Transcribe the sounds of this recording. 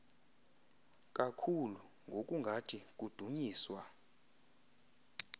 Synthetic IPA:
k̬ʼakʰulu | ŋɡʱok̬ʼuŋɡʱatʰik̬ʼud̥ʱuɲiːswa

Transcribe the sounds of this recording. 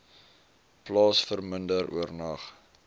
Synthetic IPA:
plɑːsfərməndəɾṵərnɐχ

